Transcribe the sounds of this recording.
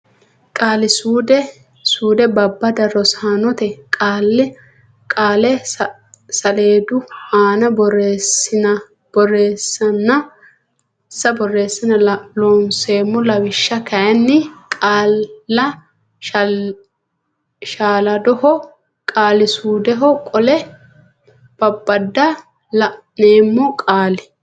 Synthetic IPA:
kʼaːlɪsuːd̪ɛ | suːd̪ɛbɐbːɐd̪ɐɾɔsaːnɔt̪ɛkʼaːlːɛ | kʼaːlɛ | sɐleːd̪ʊhaːnɐbɔɾesɪnɐ | b̥ɔreːsːɐnːɐ | sːɐbɔrːe̞ːsːɪnɐloːnseːmːɔlɐwɪʃːɐkɐjɐnːɪkʼaːɐ | ʃaːlɐd̪ɔhɔ | kʼaːlɪsuːd̪ɛɦɔkʼɔlɛ | b̥ɐbːɐd̪ːɐ | l | neːmːɔkʼaːlɪ

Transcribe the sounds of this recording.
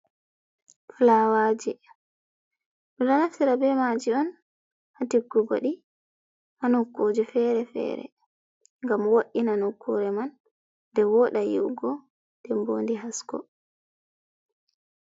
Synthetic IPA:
flawad͡ʒɛ | ɗɔnanaftiɾabɛmad͡ʒiɔn | hatiɡːuɡɔ̰ɗi | hanukːoːd͡ʒɛfɛɾɛfɛ̰ɾɛ̰ | ŋɡamwoɗinanukʰːuɾɛmanː | dɛwɔɗajḭwɡɔ | d̥ɛmbo̰ːndiɦaskɔ̰

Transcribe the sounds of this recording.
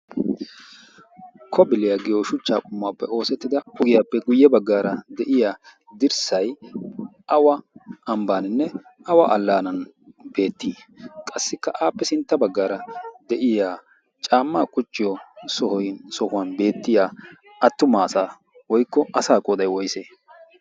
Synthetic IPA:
kʰɔbɪlɪjaɡɪjɔʃʊt͡ʃːaːkʼʊmːaːpːɛo̞ːsɛt̪ːɪd̪ɐʊɡɪjaːpːɛɡʊjːɛbɐɡːaːɾɐd̪ɛʔɪja | d̪ɪɾsɐj | ʔɐwɐɐmbaːnɪnːɛ | ɐwɐʔɐlːaːnɐn | be̞ːt̪ːiːkʼɐsːɪkːɐʔaːpːɛsɪnt̪ːɐbɐɡːaːɾɐd̪ɛʔɪjaː | t͡ʃʼaːmːaːkʼʊt͡ʃʼːɪjɔsɔhɔjnsɔhʊwanbe̞ːt̪ːɪjaː | ɐt̪ːʊmaːsaː | wɔjkːɔʔɐsaːkʼɔːd̪ɐjwɔjseː

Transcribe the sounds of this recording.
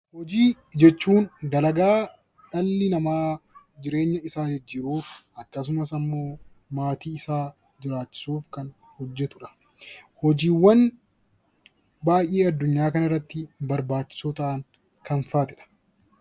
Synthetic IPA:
hɔd͡ʒiːd͡ʒɛt͡ʃːuːnɡɐlɐɡaː | ᶑɐlːɪnɐmaː | d͡ʒɪɾe̞ːɲːɐɪsaːd͡ʒɛd͡ʒːiːɾuːfɐkːɐs̬ʊmɐsɐmːo̞ː | maːt̪iːɪsaː | d͡ʒɪɾaːt͡ʃːɪ̥suːfkɐn | hɔd͡ʒːɛt̪ʊᶑɐ̥ | hɔd͡ʒiːwːɐn | baːjʔeːɐd̪ːʊɲːaːkɐnɐrːɐt̪ːɪbɐɾbaːt͡ʃːɪ̥sot̪ɐʔaŋ | kɐnfaːt̪ɪᶑɐ̥

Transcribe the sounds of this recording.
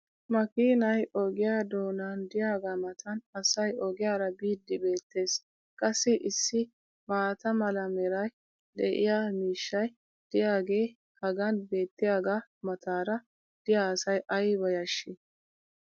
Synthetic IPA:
mɐkiːnɐjɔɡɪjaːd̪o̞ːnaːnd̪ɪjaːɡamɐt̪ʰɐnɐsɐjɔɡɪjaːɾɐbiːd̪ːɪbe̞ːt̪ːe̞ːs | kʼɐsːɪʔɪsːɪ | maːt̪ɐmɐlɐmɛɾɐj | d̪ɛ̰ʔɪ̰jaːmiːʃːɐj | d̪̥ɪjaːɡe̞ː | hɐɡɐnbe̞ːt̪ːɪjaːɡamɐt̪aːɾɐ | d̪̥ɪjaːɐsɐjʔɐjbɐjɐʃːɪ

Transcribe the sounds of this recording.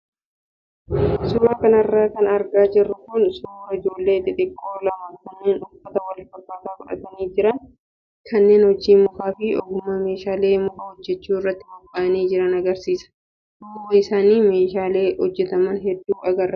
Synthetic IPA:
suːɾɐkɐnɐrːaːkɐnɐɾɡaːd͡ʒɪrːʊkʊnsʊːɾɐɪd͡ʒo̞ːlːe̞ːt̪ɪᶑɪkʼːoːlɐmɐkɐnːe̞ːnʊfːɐt̪ɐwɐlfɐkːaːt̪aːkʊᶑɐ̰t̪ɐniːd͡ʒɪɾɐn | kʰɐnːe̞ːnhɔd͡ʒːiːmʊfaːfɪɔ̰ɡʊmːɐme̞ːʃaːle̞ːmʊfɐhɔd͡ʒːɛt͡ʃːuːɪrːɐt̪ːɪbɔbʼːaːɐniːd͡ʒɪɾɐnɐɡɐɾsiːsɐ̥ | ʔmːʊɡɐɪsaːniːme̞ːʃaːle̞ːhɔd͡ʒːɛt̪ɐmɐnɦɛd̪ːuːʔɐɡɐrːɐ

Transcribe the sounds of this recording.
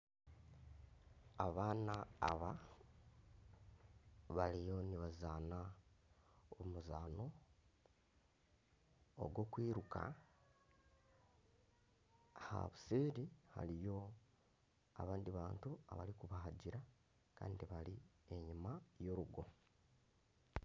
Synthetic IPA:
aβaːna̰ːβa | βalijo̞niβazana | omuzaːno̞ | o̰ɡwo̞ːkwiːɾuka̰ | ha̰βusiːɾiha̰lijo̞ | a̰βaːndiβaːntua̰βa̰likuβaɦaɟiɾa | ka̰ːndiβali | e̞ɲimajo̞ɾuɡo̞

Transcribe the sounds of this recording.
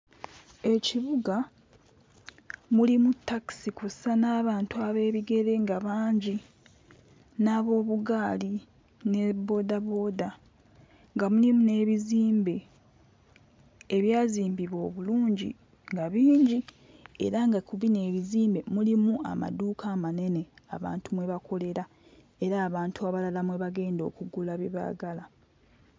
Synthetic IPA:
e̞ciβuɡa | mulimutːaki̥sikusanaːβaːntuaβe̞ːβiɡe̞ɾe̞ŋɡaβaːɲɟi | naːβo̞ːβuɡaːli | ne̞bo̞ːdaβo̞ːda | ŋɡamulimune̞ːβiziːmbe̞ | eβjaːziːmbiβo̞ːβuluːɲɟḭ | ŋɡaβiːɲɟi | e̞̰ɾaŋɡakuβine̞ːβiziːmbe̞mulimua̰ma̰duːkʰaːmane̞ne̞a̰βa̰ːntumwe̞βakʰo̞le̞ɾa | e̞ɾaːβaːntuaβalalamweβaɡe̞ːndo̞̰ːkuɡulaβiβa̰ːɡala

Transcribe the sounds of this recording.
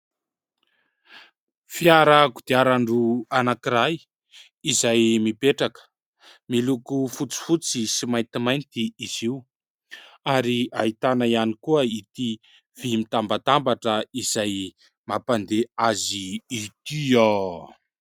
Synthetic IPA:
fiaɾaɡud̪̥iaɾaɳɖ͡ʐuanakiɾaj | izajmipeʈ͡ʂakə̥ | milukufut͡si̥fut͡sisimajnt̪imajnt̪iiz̥iu | aɾiait̪anaianikuəit̪i | v̥imit̪ambat̪ambaʈ͡ʂəiz̥aj | mapand̪eaziːt̪io

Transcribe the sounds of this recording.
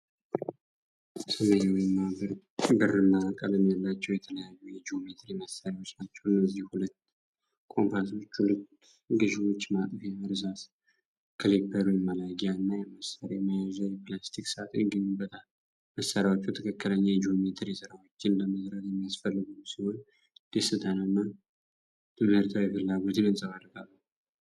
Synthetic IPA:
sɨməɲɛwjmːabɨɾ | bɨrːɨmːaakʼəlɨmjalːat͡ʃːɛwjɛt̪ʰələjajːujɛd͡ʒiomet̪ʰɾiməsaɾiwo̞t͡ʃːnat͡ʃːɛwnəzːihhulət̪ː | kʼo̞mpaso̞t͡ʃːhulət̪ | ɡɨʃwo̞t͡ʃːmat̪ʼəfjaɨɾzas | kʰɨlipʰːəɾujɛmalaɡjanːajɛməsaɾaməjazawjɛplast̪ʰiksat̪ɨŋɡɨnibət̪ʰʼa | məsːaɾawot͡ʃːɛwt̪ʰəkʰəkːɨləɲːajɛd͡ʒiomet̪ʰɾisɨɾawot͡ʃːɪnləməzɾət̪jɛmːijasfəlːɨɡusiho̞n | d̪̥esɨt̪ʰʼanaɨnːa | t̪ɨmhɨɾt̪ʰawjɛfɨlːaɡo̞t̪ʰɨnɨnsʼəβad̪ɾəɡalːəh

